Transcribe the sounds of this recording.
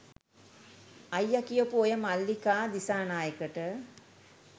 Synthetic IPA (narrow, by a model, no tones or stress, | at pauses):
ɐjːɐkijopuojəmalːikaːd̪isaːnaːjəkəʈə